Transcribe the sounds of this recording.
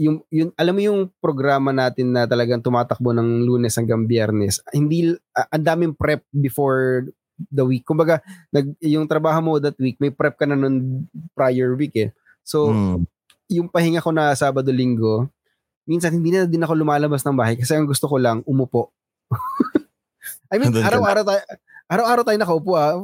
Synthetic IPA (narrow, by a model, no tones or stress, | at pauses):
jʊŋjʊnʔɐlamːojʊŋpɾoɡɾaːmɐnaːt̪ɪnːɐt̪ɐlɐɡaŋt̪ʊmaːt̪ɐk̚monɐŋluːnɛshɐŋɡɐŋbjɛɾnɛshɪnd̪iʔʔɐnd̪aːmɪŋpɾɛp̚bɪfoɹ | d̪ɐwikːʊmbɐɡanɐɡ̚jʊŋt̪ɾɐbaːɦomod̪ɐt̪̚wik̚mɐjpɾɛp̚kɐnɐnonpɾajɛɹwikɛ | so̞ | jʊŋpɐhɪŋako̞nɐsaːbɐd̪o̞liŋɡo̞ | minsɐnhɪnd̪iːnɐnɐd̪ɪnɐko̞lʊmaːlɐbasnɐŋbaːhɐjkɐsɛʔɐŋɡʊst̪okolɐŋʔʊmʊpoʔ | ʔɐjmĩaɾɐwaːɾɐwt̪aːj | ʔaɾɐwʔaːɾɐwt̪aːjonɐkɐʔʊpuʔa